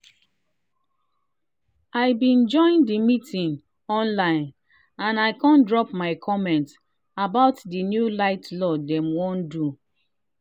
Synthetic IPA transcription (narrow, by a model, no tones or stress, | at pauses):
aɪbĩnd͡ʒɔ̃ɪ̃ndimitʰĩn | ɔ̃nlãɪ̃n | ãnaɪkãndɹɔpmaɪkʰɔmɛ̃nt | abaʊtdinjulaɪtlɔdɛ̃mwɔ̃ndu